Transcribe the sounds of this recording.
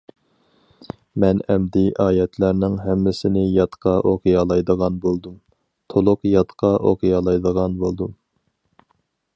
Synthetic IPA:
mɛnɛmd̪ɪʔɑːjɛt̪ʰlæɾnɪŋɦɛmːɪsɪnɪjɑt̪qʰɑʔoqʰɨjɑlˠɑjd̪əʁɑnbolˠd̪um | t̪ʰolˠʊqjɑt̪qʰɑʔo̰qʰɨjɑlˠɑjd̪əʁɑnbolˠd̪um

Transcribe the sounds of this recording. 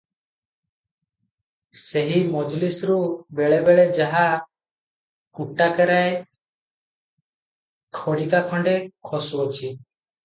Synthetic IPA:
seɦimɔd͡ʒlisɾubeɭebeɭed͡ʒaɦa | kuʈakɛɾae | kʰɔɽikakʰɔ̃ɳɖekʰɔsuɔt͡ʃʰi

